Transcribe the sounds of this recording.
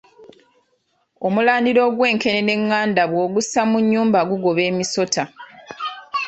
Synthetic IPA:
o̞mulaːndiɾo̞ːɡwe̞ːŋke̞nene̞ŋːaːndaβwo̞ːɡusamuɲːuːmbaɡuɡo̞βe̞ːmiso̞tʰa

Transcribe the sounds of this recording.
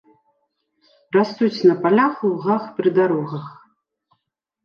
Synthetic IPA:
rast̪ut͡sʲnɐpalʲaxlˠɣaxpɾɨd̪aɾɔɣɐx

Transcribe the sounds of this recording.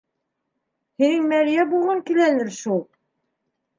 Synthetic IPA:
hinɘŋmæɾijæbulˠʁɤŋkilænɘɾʃulˠ

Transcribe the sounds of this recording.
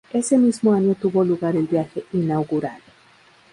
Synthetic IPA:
esemizmoãɲot̪uβoluɣaɾelbjaxeinawɣuɾaðo

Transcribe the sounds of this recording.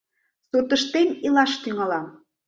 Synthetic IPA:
sut̪əʃt̪enilɑʃt̪yŋɑlɑm

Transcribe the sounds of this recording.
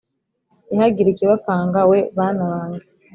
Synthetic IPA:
ihaɡiɾikeβakaːŋɡawe̞βanaβaːŋɡa

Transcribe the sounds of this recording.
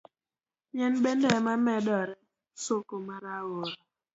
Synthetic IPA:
ɲɛnbɛndɛmamɛdɔɾɛ | sokomaɾawoɾɔ

